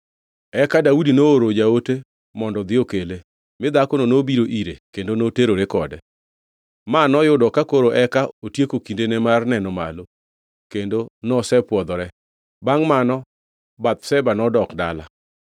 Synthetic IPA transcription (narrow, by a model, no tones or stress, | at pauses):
ɛkadaudinooɾod͡ʒaote | mɔndɔd̪ɪokele | mɪd̪akononobiɾoʔiɾekendonoteɾoɾekɔdɛ | manɔjʊdɔkakoɾoʔɛkaotjekokindenɛmarnɛnɔma̰lo | kendonɔsɛpwɔd̪ɔɾɛ | baŋmanɔ | bat̪̚sɛbanɔdɔkda̰la̰